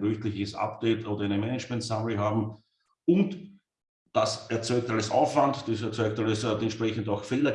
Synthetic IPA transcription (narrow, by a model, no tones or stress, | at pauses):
ʁøçtlɪçəsa̰pd̥eɪtʔoːdɐænəmɛnət͡ʃmɛntsamləɦaːbm̩ | ʊnt | d̥asɛɐt͡sɔʏktaləsʔa̰ʊfvantd̥isɛɐt͡sɔʏk̚taləsɛntʃpʁ̥ɛçən̩daʊxfeldɐ